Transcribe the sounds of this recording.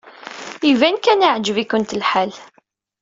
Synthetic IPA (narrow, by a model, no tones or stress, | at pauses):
ivænkænaʕd͡ʒəvikʊnt̪əlħal